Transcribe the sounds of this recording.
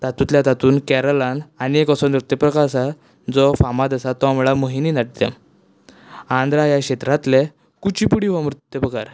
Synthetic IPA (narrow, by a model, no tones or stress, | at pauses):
t̪at̪ut̪ljat̪at̪uːnkɛɾəlananiekɔsɔnɾut̪jəpɾəkaɾsa | d͡zɔfamad̪əsat̪ːɔamuɭaməɦininaʈ̚t̪ḛm | ãnd̪ɾajakɕet̪ɾat̪le | kut͡ɕipuɽiʋamɾut̪jəpəkaɾ